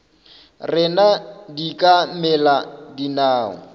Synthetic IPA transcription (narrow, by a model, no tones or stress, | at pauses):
rɪnadikʼamɛladinaːɔ̰